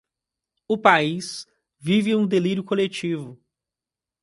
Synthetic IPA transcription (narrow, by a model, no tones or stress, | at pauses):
ʊpais | vivɪũd̪eliɾjʊkolet͡ʃivʊ